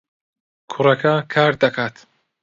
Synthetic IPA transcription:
kʰʊɾɐkʰakʰaːɾd̪ɐkʰaːt̪

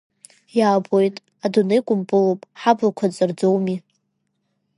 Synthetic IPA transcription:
jaːbojtʼ | adunejkʷʼʊmpʼɨlowpʼħablakʷʰat͡sʼɨrd͡zowmi

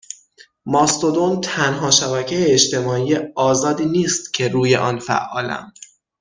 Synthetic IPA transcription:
mɒːst̪od̪ont̪ʰænɦɒːʃæbæcʰejeːt͡ʃt̪e̞mɒːijeɒːzɒːd̪iːniːst̪cʰe̞ɾuːje̞ʔɒːnfæ̰ʔːɒːlæ̰m

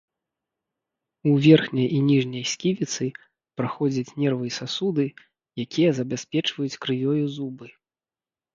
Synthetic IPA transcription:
uvʲɛrxnʲɐjʔinʲiʐnʲɐjsʲkʲivʲit̪sɨ | pɾaxɔd͡zʲɐt͡sʲnʲɛrvɨsasud̪ɨ | jakʲijɐzɐbʲasʲpʲɛt͡ʂvɐjut͡sʲkɾɨjʲɔjuzubɨ

